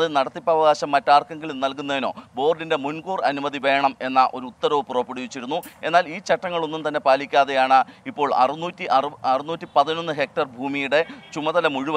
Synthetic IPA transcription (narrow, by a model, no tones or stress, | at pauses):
ɐðɨnɐɽɐt̪ːipːɐʋɐɣaːɕɐmːɐtːaːrkɐŋɡilumnɐlkun̪ːɐðino̞̰ːbo̞ːrɖinde̞munɡuːrɐnumɐðiʋe̞ːɳɐme̞nːɐʔo̞ɾuut̪ːɐɾɐʋpurɐpːiɽuʋit͡ɕːiɾunːue̞nːaːliːt͡ɕɐʈːɐŋːɐɭo̞nːumt̪ɐnːe̞paːlikʲːaːðe̞jaːɳɨipːo̞ːɭɐ̰rnuːtːiʔɐɐrɨnuːtːipɐðino̞nːɨɦe̞k̚ʈɐrbʱuːmijuɽe̞t͡ɕumɐðɐlɐmuɻuʋɐ